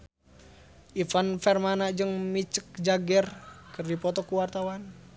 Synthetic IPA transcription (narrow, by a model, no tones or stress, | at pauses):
ʔifanfɛrmanad͡ʒəŋmit͡ʃək̚d͡ʒaɡɛrkɨrdipɔt̪ɔkuwart̪awan